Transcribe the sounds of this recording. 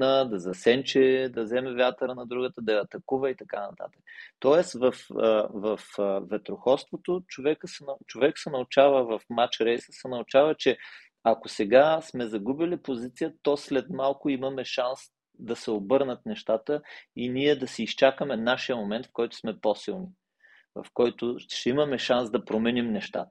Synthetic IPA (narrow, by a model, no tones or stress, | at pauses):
nəd̪ɐzɐsɛnt͡ʃɛd̪ɐzɛmɛvjat̪əɾənɐd̪ɾuɡət̪əd̪ɐjɐːt̪ɐkuvəit̪ɐkanɐt̪a̰t̪ə̥kət̪ɔɛst̪vɐfəvɐfvɛt̪ɾoxɔst̪vot̪ot͡ʃovɛkəsɛnt͡ʃovɛksɛnɐʊt͡ʃavəvɐfmat͡ʃɾɛjsəsɛnɐʊt͡ʃavət͡ʃɛ | ɐkosɛɡasmɛzɐɡubilipozit̪sijət̪ɔslɛt̪malˠkʊimɐmɛʃans | d̪ɐsɛobɤɾnət̪nɛʃt̪at̪əiniɛd̪ɐsiist͡ʃakəmɛnaʃijəmomɛnt̪fkɔjt̪ʊ̥smɛpɔsilˠni | vɐ̰fkɔjt̪ʊʃt̪ɛimɐmɛʃansd̪ɐpɾomɛnimnɛʃt̪a̰t̪ə̥